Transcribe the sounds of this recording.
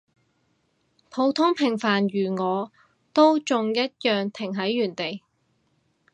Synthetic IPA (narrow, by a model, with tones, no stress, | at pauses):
pʰo˨˧˥wt̪ʰʊ˥ŋpʰɪ˨˩ŋfaː˨˩nɥyː˨˩ŋɔː˨˧ | t̪o˥wt͡sʊ˨˧ŋjɐ˥t̚jœː˨ŋt̪ʰɪ˨˩ŋɦɐ˨˥jːyː˨˩nt̪e˨j